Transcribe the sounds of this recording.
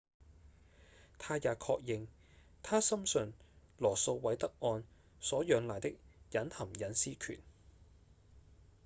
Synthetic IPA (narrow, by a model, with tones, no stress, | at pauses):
t̪ʰaː˥jaː˨kʰɔː˧k̚jɪ˨ŋ | t̪ʰaː˥sɐ˥msɵ˧nlɔː˨˩so˧wwɐ˨˧˥jt̪ɐ˥k̚ʔɔː˧n | sɔː˨˥jœː˨˧ŋlaː˨jt̪ɪ˥k̚jɐ˨˥nhɐ˨˩mjɐ˨˥nsiː˥kʰy̰ː˨˩n